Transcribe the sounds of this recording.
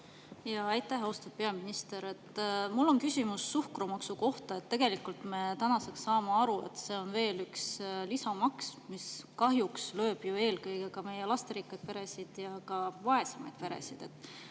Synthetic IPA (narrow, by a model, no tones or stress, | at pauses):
jɑɑjt̪ːˑæɦost̪ɑd̥̪̚pe̞ɑminist̪e̞ɾe̞t̪ːmulːo̞nkysʲimusːuhkrumɑksuko̞ht̪ɑe̞t̪ːe̞ɡ̥e̞likˑult̪me̞t̪ænɑseksːɑːmeɑɾue̞̰t̪se̞o̞nve̞ːlykslisɑmɑksmiskɑɦjukslø̞ːb̥jue̞ːlkɤjɡ̥e̞kɑme̞jelɑst̪eɾikːɑd̪̚pe̞ɾe̞sid̪̥jɑkɑvɑe̞semɑjd̪̥pe̞ɾe̞̰sid̪̥e̞t̪ː